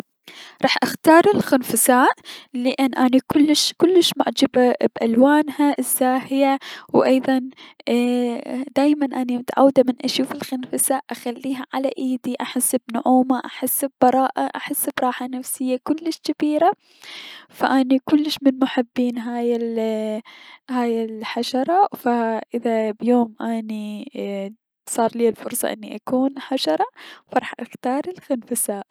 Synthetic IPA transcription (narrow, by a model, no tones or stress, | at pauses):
ɾˤɑːħʔaxt̪ɑːɾˤɪlxɪnfasaːʔlɪʔɪnːʔanikʊlːɪʃkʊlːɪʃmʊʕd͡ʒababʔalwaːnhaʔɪzːaːhɪjawʔɑjðˤɑn | d̪aːjmanʔanimʊt̪aʕa̰wːd̪amɪnʔaʃuːfɪlxɪnfasaːʔʔaxalːiːɦaʕalaʔiːd̪iʔaħɪsːbnʊʕuːmaʔaħɪsːbːɑɾˤɑːʔaʔaħɪsːbɾˤɑːħanafsɪjːakʊlːɪʃkabiːɾa | faʔanikʊlːɪʃmɪnmʊħɪbːiːnɦaːjɪl | haːjɪlħaʃɑɾˤɑfaʔɪðabjoːmʔani | sˤɑːɾˤliːlfʊɾsˤɑ̰ʔɪ̰nːiʔakuːnħaʃɑɾˤɑfɑɾˤɑħʔaxt̪ɑːɾˤɪlxɪnfasaːʔ